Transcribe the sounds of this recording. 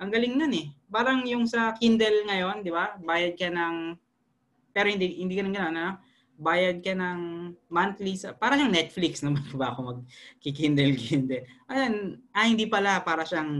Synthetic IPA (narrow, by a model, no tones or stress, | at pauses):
ʔɐŋɡɐlɪŋnonɛpaːɾɐŋjʊŋsɐkind̪ɛlŋɐjo̞nd̪ɪbabaːjɐd̪̚kɐnɐŋ | pɛːɾohɪnd̪ihɪnd̪ikɐnonɡɐno̞nɐno̞ | baːjɐd̪̚kɐnɐŋmant̪lisɐpaːɾɐʃaɐŋnɛt̪̚fliksnɐmɐɐbaʔkomɐɡ̚kɪkind̪ɛlkʰind̪ɛlʔɐjanʔɐhɪnd̪iːpɐlapaːɾɐʃaŋ